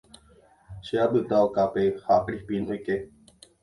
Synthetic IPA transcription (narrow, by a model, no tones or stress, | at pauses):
ʃeabɨt̪aokapehakɾihpĩnojke